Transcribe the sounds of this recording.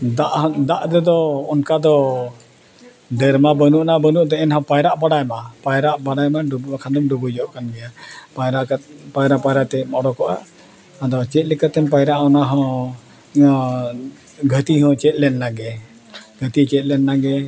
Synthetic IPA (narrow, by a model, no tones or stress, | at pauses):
d̪aʔd̪aʔd̪ɛd̪ɔːnkad̪ɔ | ɖɛɾmabənuʔnabənuʔd̪ɔɛnɦɔ̃pajɾaʔbaɽajmapajɾaʔbaɽajmaɖubakʰand̪ɔmɖubud͡ʒɔʔkanbɛjapajɾaʔkapajɾapajɾaʔt̪ɛmɔɽɔkɔʔa̰ː | d̪ɔt͡ʃɛt̪̚ˀlɛkat̪ɛmpajɾaʔɔnaɦɔ̃ | ɡʱət̪iɦɔ̃t͡ʃɛt̪̚ˀlɛnːaɡɛ | ɡʱət̪it͡ʃɛt̪̚lɛnːaɡɛ